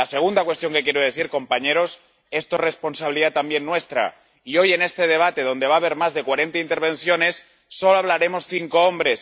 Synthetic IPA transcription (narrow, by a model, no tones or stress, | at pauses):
ase̞ɣ̞und̪akwe̞st̪jo̞ŋke̞kjeɾoð̞e̞θiɾko̞mpaɲe̞ɾo̞s | e̞st̪ore̞spo̞nsaβiliðat̪ambje̞nːwe̞st̪ɾa̰ | io̞je̞ne̞st̪e̞ðe̞β̞at̪e̞ð̞o̞nd̪e̞β̞aːβ̞e̞ɾmazðe̞kwaɾe̞nt̪aint̪eɾβ̞ẽ̞nθjo̞ne̞sː | o̞loaβlaɾe̞mo̞sθiŋko̞o̞mbɾe̞s